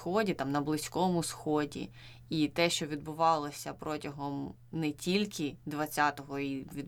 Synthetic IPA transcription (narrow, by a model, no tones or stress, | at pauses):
xɔdʲit̪ɑmnɐblˠɪsʲkɔmʊsxɔdʲḭ | it̪ɛʃt͡ʃɔʋʲid̪bʊʋɑlˠɔsʲɐpɾɔtʲɐɦɔm | nɛtʲilʲkʰɪd̪ʋɐt͡sʲat̪ɔɦɔiʋʲid̪